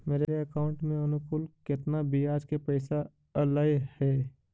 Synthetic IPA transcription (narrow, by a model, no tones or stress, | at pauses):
meːɾeɾeɐkaːʊ̃ɳʈmẽɐnʊkʊlkɪt̪nabʱiaːd͡ʒkepɛɪsa | ɐlaːjhɛː